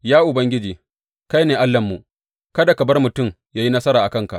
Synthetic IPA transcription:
jaː˦ʔʊ˨bɐ˦ŋɡʲɪ˦d͡ʒiː˨ | ka˦jneː˨ʔa˦lːɐ˨mːu˨ʔ | kɐ˦da˨kɐ˨bɐ˦rmʊ˨tʊ˦˨m | jaː˦ji˦nɐ˦sɐ˦ɾaː˨ʔa˨kɐ˦ŋka˨ʔ

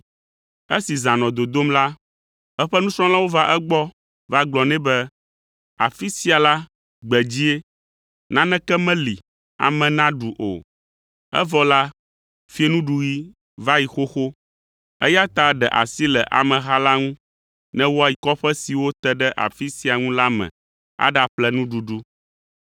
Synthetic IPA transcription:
e˦si˨zã˨nɔ̃˨d̪o˨d̪o˦mla˦ | ɛ˦ɸɛ˦nũ˦sɾɔ̃˦lã˦wo˦va˦ʔɛ˦ɡ͡bɔ˦ | va˦ɡ͡blɔ˨nɛ̃˦bɛ˦ | a̰˨fi˦si˦a˨la˦ | ɡ͡bɛ˨d͡ʑi˦e˦ | nã˦nɛ̃˦kɛ˦mɛ̃˦li˨ | a̰˨mɛ̃˨nã˦ɖu˨ʔo̰˨ | ɛ̰˦vɔ˦la˦ | fi˦e˦nũ˦ɖu˨ji˦ | va˦ji˨xo˦xo˦ | ɛ˦ja˦t̪a˨˦ɖɛ˨ʔa̰˨si˦lɛ˨ʔa̰˨mɛ̃˨ɦa˦la˦ŋũ˦ | nɛ̃˦wo˦a˨ji˨kɔ˦ɸɛ˦si˨wo˦t̪ɛ˦ɖɛ˦ʔa̰˨fi˦si˦a˨ŋũ˦la˦mɛ̰̃˨ | a̰˦ɖa˨plɛ˦nũ˦ɖu˨ɖu˦

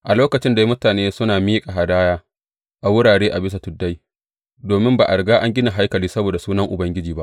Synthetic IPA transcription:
ʔa˨loː˦kɐ˨t͡ʃɪ˦nda˨ji˦mʊ˦taː˨neː˦sʊ˦naː˨miː˦kʼa˨ɦa˨daː˦jaː˦ | ʔa˨wʊ˦ɽaː˨ɽeː˦ʔa˨bɪ˦s̬a˨tʊ˨dːa˦j | doː˨mɪ˦mba̰ː˨ʔa˨ɽɡaː˦ʔa˦ŋɡʲɪ˦na˨ɦa˦jkɐ˨liː˦sɐ˦boː˨da˨suː˦nɐ˦ŋʔʊ˨bɐ˦ŋɡʲɪ˦d͡ʒiː˨ba̰˦ʔ

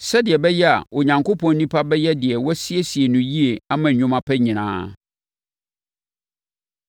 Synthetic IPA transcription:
sɛ˦dɪ˨ɛ˨bɛ˦jɛ˦a̰˨wɔ˨ɲã˨ŋkʰo˦pʰɔ̃˨n˦nĩ˦pʰa˦bɛ˦jɛ˦dɪ˨ɛ˨wɔ˦sɪ˦e˦si˨e˨nʊ̃˨ji˦e˨a˦mã˨ɲʊ̃˦mã˦pʰɛ˦ɲɪ̃˨nã̰ː˦

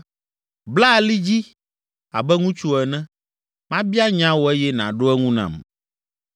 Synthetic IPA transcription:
bla˦˨li˦d͡ʑi˦ | a̰˨bɛ˦ŋũ˦t͡ʃu˦ɛ˨nɛ̃˦ | mã˦bi˦a˦ɲã˦wo˨ɛ˦jɛ˦nã̰˨ɖo˦ɛ˦ŋũ˦nã̰˨m

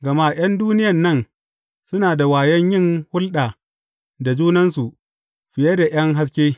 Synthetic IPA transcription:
ɡɐ˨maː˦ʔj̰ɐ˦nduː˦nɪ˦jɐ˨nːɐ˦n | sʊ˦naː˨da˨waː˨jɐ˦ɲjɪ˦ŋhʊ˦lɗaː˨ | da˨d͡ʒuː˦nɐ˦nsu˨ʔ | ɸɪ˨jɐ˦da˨j̰ɐ˦ŋɦa˦s̬kʲeː˦

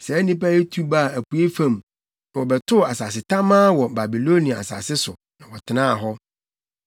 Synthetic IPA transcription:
sɛ˨˦nĩ˦pa˦e˦tʰu˦ba˦˨æ˨pʰu˨˦e˦fã˦˨m | nã˨wɔ˨bɛ˨tʰʊ˦˨a˨sa˨s̬ɪ˨tʰã˦mãː˦wɔ˨ba˨bi˨lo˦nĩ˨a˨a̰˨sa̰˨sɪ˦sʊ˨ | nã˨wɔ˨tʰɪ˨nãː˦˨ɦɔ˦

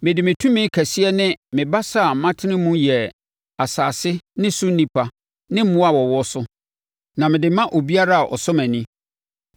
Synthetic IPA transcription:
mɪ̃˨dɪ˨mɪ̃˨tʰũ˦mɪ̃˦kʰæ˨si˦ɛ˦nɪ̃˦mɪ̃˨ba˦sa˦˨mã˦tʰɪ˦nɪ̃˦mũ˦jɛ˨ | a˨saː˨sɪ˦nɪ̃˦sʊ˦n̩˦nĩ˦pʰa˨ | nɪ̃˦m̩˦mʊ̃˦a˨wɔ˨wɔ˦sʊ˦ | nã˨mɪ̃˨dɪ˨mã˦ʔo˨bi˦a˦ɾa˦a˨ʔɔ̰˨sɔ˦mæ̃˨nĩ˦

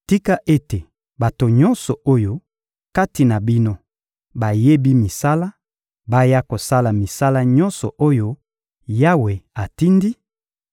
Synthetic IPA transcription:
ti˦ka˦ʔe˦te˨ | ba˨to˨ɲɔ˦nsɔ˨ʔo˦jo˦ | ka˦ti˨na˨bi˦no˦ | ba˨je˦bi˦mi˨sa˦la˦ | ba˦ja˦ko˨sa˦la˨mi˨sa˦la˦ɲɔ̃˦nsɔ˨ʔo˦jo˦ | ja˦we˨a˨ti˦ndi˦

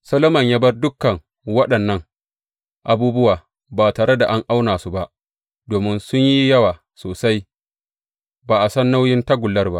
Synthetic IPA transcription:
sɐ˦lo˦mɐ˨ɲjaː˦bɐ˦rdʊ˦kːɐ˨ŋ | wɐ˦ɗɐ˨nːɐ˦ŋ | ʔa˨buː˦bʊ˦waː˨ | baː˨taː˨ɽe˦da˨ʔa˦ŋʔa˦wnaː˨su˦ba˦ʔ | doː˨mɪ˦nsʊ˦ɲji˦jɐ˦waː˨ | soː˨sa˦j | baː˨ʔa˨sɐ˦nːa˦wjɪ˦ntɐ˦ɡʷʊ˨lːɐ˦rba˦ʔ

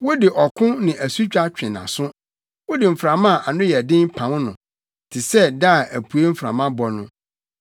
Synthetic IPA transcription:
wʊ˦dɪ˨ʔɔ˨kʰʊ̃˦nɪ̃˨ʔæ˨su˦t͡ɕᶣa˦t͡ɕᶣɪ̃˨nã̰˨sʊ̃˦ | wʊ˦dɪ˨m̩˨fɾã˨mã˦˨ʔa˨nʊ̃˦jɛ˨dɪ̃˦m˦pʰã˨˦m˦nʊ̃˨ | tʰɪ˨sɛ˦da˦˨ʔæ˨pʰu˨e˦m̩˦fɾã̰˨mã˦bɔ˦nʊ̰̃˦

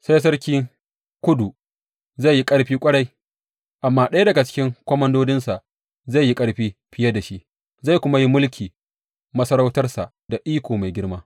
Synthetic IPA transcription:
sa˦js̬ɐ˦ɾkʲiː˦ | kʷʊ˦du˨ | za˦˨jːi˦kʼɐ˦ɽɸiː˦kʷʼɐ˦ɽa˦j | ʔa˨mːaː˦ɗɐ˦ja˦dɐ˨ɡa˨t͡ʃɪ̥˦kʲɪ˦ŋkʷɔ˦mɐ˦ndoː˦dɪ˦nsa˨ | za˦˨jːi˦kʼɐ˦ɽɸiː˦ɸɪ˦ja˦da˨ʃi˦ʔ | za˦˨kʷʊ˦ma˦ji˦mʊ˦lkʲʰiː˨ | mɐ˦sɐ˦ɾa˦wtɐ˦rsa˨ʔ | da˨ʔiː˦kʷoː˨ma˨jɡʲɪ˦ɽmaː˦

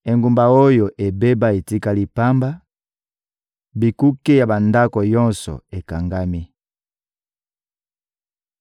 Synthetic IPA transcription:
e˨ŋɡu˨mba˨o˦jo˨ʔe˨be˦ba˦e˨ti˦ka˦li˨pa˦mba˦ | bi˨ku˦ke˦ja˨ba˨nda˦kɔ˨jɔ˦nsɔ̰˨e˨ka˨ŋɡa˦mi˦

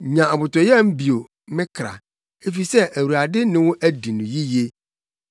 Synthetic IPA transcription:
ɲã˨a˨bʊ˨tɔ˨jɛ˦˨m̩˦bi˨o˨ | mɪ̃˦kʰɾa̰˨ | e˦fi˨sɛ˦ʔæ˨wu˨a˨dɪ˦nʊ̃˦wʊ̃˦ʔæ˦di˨nʊ̃˨ji˦je˦

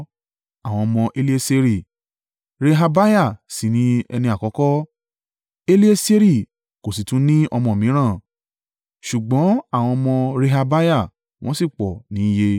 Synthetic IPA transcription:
a˦˨w̃ɔ̃˧mɔ̃˧ʔe˧li˦e˦se˧ɾi˦˨ | ɾe˧ɦa˧ba˦ja˦˨si˨nĩ˨˦ɛ̰˧nĩ˧˦a˨kɔ˨˧˦kɔ˦ | e˧li˦e˦se˦ɾi˦˨ | ko˨s̬i˨tũ˨˦nĩ˦ɔ˧mɔ̃˧o˨mĩ˨˦ɾ̃ã˦˨ | ʃu˨ɡ͡bɔ̃˨˦a˦˨w̃ɔ̃˧mɔ̃˧ɾe˧ɦa˧ba˦ja˦˨ | w̃ɔ̃˦si˦˨k͡pɔ˨nĩ˨˦je˧

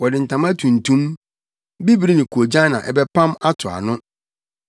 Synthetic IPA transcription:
wɔ˨dɪ˨n̩˨tʰã˨ma˦tʰũ˨n̩˨tʰũ˦m | bi˦bi˨ɾi˦nɪ̃˨kʰu˨o˨d͡ʑã˦nã̰˨ʔɛ̰˨bɛ˦pʰã˦ma˦tʰʊ˨a̰˨nʊ̃˦

